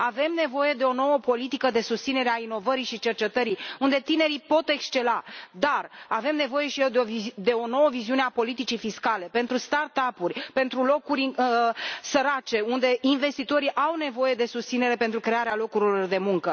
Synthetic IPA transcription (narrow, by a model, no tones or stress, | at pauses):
ave̞mne̞vo̞je̞d̪e̞o̞no̞wəpo̞lit̪ikəd̪e̞sust̪sine̞ɾeaino̞vəɾiʃit͡ʃe̞rt͡ʃe̞t̪əɾiund̪e̞t̪ine̞ɾipo̞t̪e̞kst͡ʃe̞lad̪arave̞mne̞vo̞je̞ʃied̪ed̪e̞o̞no̞wəviziuneapo̞lit̪it͡ʃifiskalepe̞nt̪ɾust̪art̪apurʲpe̞nt̪ɾulo̞kuɾʲ | səɾat͡ʃe̞und̪e̞inve̞st̪it̪o̞ɾiʔawne̞vo̞je̞d̪e̞sust̪sine̞ɾe̞pe̞nt̪ɾukɾeaɾealo̞kuɾilo̞rd̪e̞muŋkə